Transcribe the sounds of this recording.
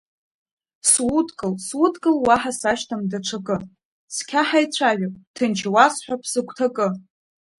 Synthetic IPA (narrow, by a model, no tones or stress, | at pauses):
swudkʼɨlsudɡʼɨlwaħasaʃtʰamdaʈ͡ʂʰakʼɨ | skʲʰaħajt͡ɕʷʰaɥʷᶣapʼtʰɨnt͡ʃʰawasħʷᶣapʰsɨkʷʰtʰakʼɨ